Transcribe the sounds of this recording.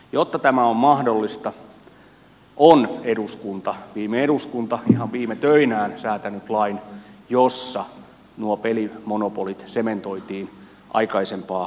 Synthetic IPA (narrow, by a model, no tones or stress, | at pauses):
jot̪ːɑt̪æmæommɑhdolːist̪ɑ | ʔoneduskunt̪ɑʋiːmeeɾuskunt̪ɑihɑʋʋiːmet̪øinæːnsæːt̪ænyt̪lɑinjosːɑ | nuopelimonopolit̪sement̪oit̪iːn | ʔɑ̰ikɑisempɑː